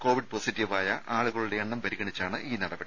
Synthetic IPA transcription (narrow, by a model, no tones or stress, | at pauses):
ko̞ːʋiɖ̚poːsitːiʋaːjɐʔaːɭuɣɐɭuɽe̞ɐɳːɐmpɐɾiɣɐɳit͡ɕːaːɳɨʔiːnɐɽɐpːeɽ